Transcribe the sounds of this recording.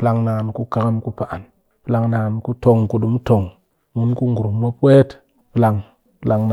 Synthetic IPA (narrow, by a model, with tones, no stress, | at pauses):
pla˨ŋna˨nku˦ka˨ka˦mku˦pa˨ʔa˨n | pi˦la˦ŋna˨nku˦to˨ŋku˨ɗu˨m˦to˨ŋ | mu˦nku˦ŋɡu˨ɾu˨˦ma˦pe˦t | pi˦la˨ŋ | pla˨ŋn˨